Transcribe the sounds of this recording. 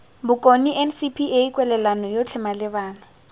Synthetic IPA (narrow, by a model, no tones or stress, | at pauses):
bʊkʼoniʔɛnsipʰieikʼwɛlɛlanɔjot͡ɬʰɛmalɪbaːna